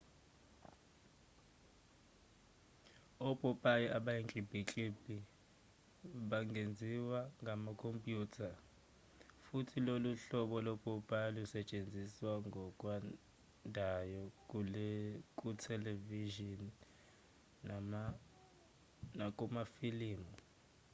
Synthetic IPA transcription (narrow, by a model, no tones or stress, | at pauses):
ɔb̥ʱʼɔpʼajɔʔaɓajeŋt͡ɬʼib̥ʱit͡ɬʼib̥ʱi | ɓaŋɡʱend͡zʱiwaŋɡʱamakʰompʼjuːtʰa | futʰiloluɬɔɓɔlɔb̥ʱʼɔpʼalusɛt͡ʃʼend͡zʱiswaŋɡʱɔkʼwa | ndʱajɔkulkʼutʰɛleviʒɔn | nak̬ʼumafiliːmɔ